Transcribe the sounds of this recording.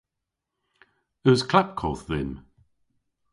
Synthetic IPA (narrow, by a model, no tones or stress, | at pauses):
əzkʰl̥ap̚kʰɔθðɪn